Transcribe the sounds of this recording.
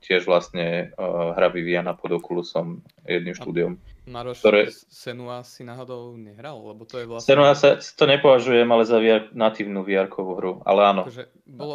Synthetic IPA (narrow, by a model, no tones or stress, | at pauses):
cɪɛʒʋlast̪ɲɛɦɾaʋiʋianapɔd̪ɔkulusɔm | jɛ̰d̪nimʃt̪uːd̪ɪɔmkkt̪ɔɾɛː | sɛnuasasḁt̪ɔɲɛpɔʋaʒujɛmalɛzaʋiaɾknat̪iʋnuʋiaɾkʰɔʋuːɦɾua̰lɛaːnɔ